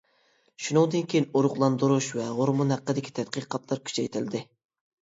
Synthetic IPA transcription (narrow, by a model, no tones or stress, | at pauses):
ʃunɨŋd̪ɨnkʲʰejinoɾʊqlˠɑnd̪uɾuʃvɛʁoɾmunhæqːəd̪ɪkʲʰi̥t̪ʰɛt̪̚qɨqʰɑt̪lˠɑɾkʲʰy̥t͡ʃʰɛjt̪ʰɪlɪd̪ɪ